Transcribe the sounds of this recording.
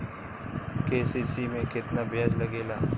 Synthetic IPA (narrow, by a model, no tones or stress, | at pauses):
keːsiːsiːmẽkɪt̪naːbɪjəd͡ʒləɡeːlaː